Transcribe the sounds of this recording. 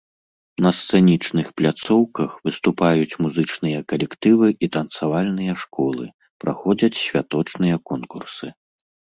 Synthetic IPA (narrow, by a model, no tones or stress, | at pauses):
nɐst̪sɛnʲit͡ʂnɨxplʲat̪sɔwkɐxvɨst̪upajut͡sʲmuzɨt͡ʂnɨjɐkɐlʲɛkt̪ɨvɨʔit̪ɐnt̪savalʲnɨjɐʂkɔlˠɨ | pɾa̰xɔd͡zʲɐt͡sʲsʲvʲat̪ɔt͡ʂnɨjɐkɔnkursɨ